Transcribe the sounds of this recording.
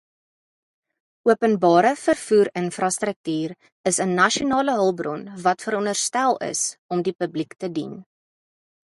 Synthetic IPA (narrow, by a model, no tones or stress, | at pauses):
uəpənbɑːɾəfərfuːɾənfrɑstrək̚tyːr | əsənɐʃionɑːləɦəlˠbrɔnvɐtfəɾɔnərstælˠə̰sɔmdipəbliktədin